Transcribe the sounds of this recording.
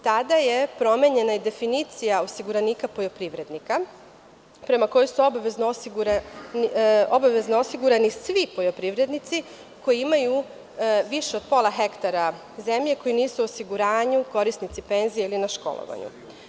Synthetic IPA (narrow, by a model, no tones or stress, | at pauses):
t̪ad̪aje̞pɾo̞me̞ɲe̞naid̪e̞finit̪sijaosiɡuɾaniːkapo̞jo̞pɾiːʋɾe̞d̪nika | pɾe̞mako̞josuo̞baʋeznoosiɡuɾanio̞baʋe̞znoosiɡuɾanisʋipo̞jo̞pɾiʋɾe̞d̪nit̪si | ko̞jiimaju | ʋiʃeo̞d̪̚po̞lˠaɦe̞kt̪aɾa | ze̞mʎe̞kojiniːsuosiɡuɾaːɲuko̞ɾisnit̪sipe̞nzijeilinaʃko̞̰lˠo̰ʋa̰ɲṵ